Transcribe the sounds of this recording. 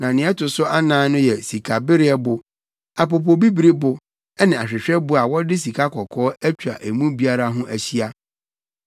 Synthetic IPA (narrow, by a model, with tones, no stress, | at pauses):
nã˨nɪ̃˨˦ɛ˦tʊ˨sʊ˦ʔa˦nãː˨˦nʊ̃˦jɛ˨si˨kʰa˨bɪ˦ɾɪ˦ɛ˦bʊ˨ | a˨p̬o˨p̬o˨bi˦bi˨ɾi˦bʊ˨ | ɛ˦nɪ̃˨a˨ɕᶣɪ˨ɕᶣɛ˦bʊ˦a˨wɔ˦dɪ˦s̬i˨kʰa˦kʰɔ˨kʰɔː˦æ˦t͡ɕᶣa̰˨ʔæ˨mũ˦bi˦a˦ɾa˦ɦʊ̃˦ʔæ˨ɕi˦a˦